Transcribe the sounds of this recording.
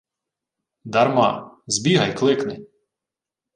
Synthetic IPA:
d̪ɐɾmɑzbʲiɦɐjklˠɪknɪ

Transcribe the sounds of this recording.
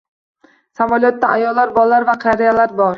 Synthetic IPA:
savɒlˠijɒt̪ːaʔajɒlːaɾbɒlˠːaɾvaqʰɑɾijalaɾbɒɾ

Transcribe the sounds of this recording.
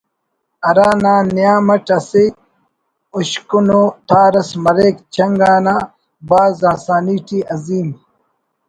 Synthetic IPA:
ɐɾaːnaːnijaːmɐʈɐse | uɕkunoːt̪ʰaːɾɐsmɐɾeːkt͡ɕʰɐŋɡaːnaː | baːzaːsaːniːʈiːɐziːm

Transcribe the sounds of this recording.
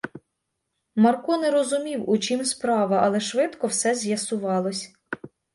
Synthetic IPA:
mɐrkɔneɾɔzʊmʲiwut͡ʃʲimspɾɑʋɐʔɐlˠɛʃʋɪt̪kɔwsɛzʲjɐsʊʋɑlˠɔsʲ

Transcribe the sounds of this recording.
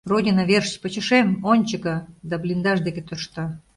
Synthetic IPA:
rodʲinavʲerʃt͡ɕpət͡ɕɪ̆ʃemonʲt͡ɕɪkad̪ablʲind̪ɑʒd̪eket̪ŏʃt̪ɑ

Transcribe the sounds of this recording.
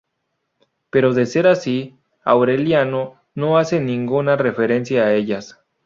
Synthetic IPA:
pe̞ɾo̞ðe̞se̞ɾasi | a̰wɾe̞ljano | no̞ase̞nĩŋɡunare̞fe̞ɾe̞nsjaːe̞ʝas

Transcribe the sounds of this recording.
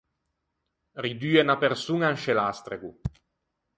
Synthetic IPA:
rid̪yːenapeɾsuŋanʃelast̪ɾeɡu

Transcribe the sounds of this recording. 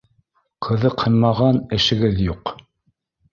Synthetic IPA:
qʰɤ̆ðɤqhɤ̆nmɑʁɑnɘ̆ʃɘ̆ɡɘðjuq

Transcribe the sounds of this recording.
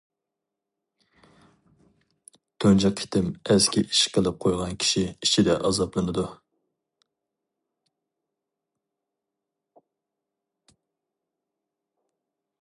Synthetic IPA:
t̪ʰønd͡ʒɑqʰi̥t̪ʰɪmɛskʲʰiʔiʃqʰəlˠɨp̚qʰojʁɑnkʲʰi̥ʃiiʃid̪ɛʔɑzɑplˠɨnɨd̪u

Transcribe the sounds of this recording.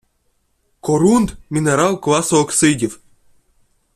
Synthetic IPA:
koɾund̪mʲinʲeɾɑlˠklˠɑsooksɨdʲɘf

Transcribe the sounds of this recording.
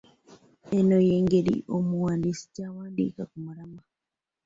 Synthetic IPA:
enojeːŋɡeɾḭʔomuwaːndisi̥caːwaːndḭːkakumuɾama

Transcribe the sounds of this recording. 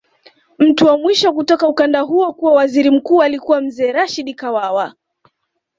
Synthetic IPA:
m̩tuwamwiʃɔkutɔkaukandaɦuɔkuwawaziɾim̩kuːalikuwam̩zɛːɾaʃiɗikawawa

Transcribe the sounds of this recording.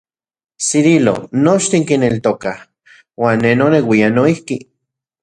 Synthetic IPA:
siɾilo̰not͡ʃt̪iŋkinelt̪okah | waːnːenonewianoihki

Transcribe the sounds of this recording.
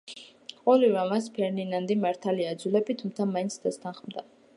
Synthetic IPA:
qʼɔliɾamaspʰɛɾd̪inand̪imaɾt̪ʰaliad̪zulɛbit̪ʰumt̪sʰamaint̪sʰd̪ast̪ʰanχmd̪a

